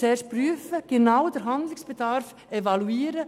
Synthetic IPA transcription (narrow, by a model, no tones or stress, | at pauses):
ɛʃpryːəfəɡ̥enaʊdəɾɦandlɪsb̥ɛdaɾf | evɑluiːɾə